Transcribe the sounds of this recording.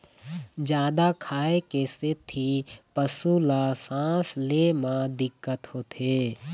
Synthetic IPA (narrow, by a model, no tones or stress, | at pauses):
d͡ʒjaːd̪akʰaːekeset̪ʰipəsulasãːsleːmãd̪ɪkːət̪hoːt̪ʰeː